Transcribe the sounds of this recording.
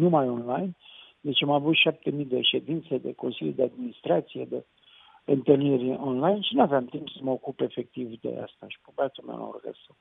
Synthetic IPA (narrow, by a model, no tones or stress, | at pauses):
numajo̞nlajn | d̪e̞t͡ʃamavut̪ʃap̚t̪e̞mid̪e̞ʃe̞d̪int̪sed̪e̞̰ko̞nsilʲjud̪ead̪minist̪ɾat̪sijed̪e | ɨnt̪ɨlnirʲonlajnʃinuaveamt̪impsəməokupe̞fe̞k̚t̪ivd̪e̞̰a̰st̪aʃi̥bobat̪ulmḛlo̰rɡə̰sa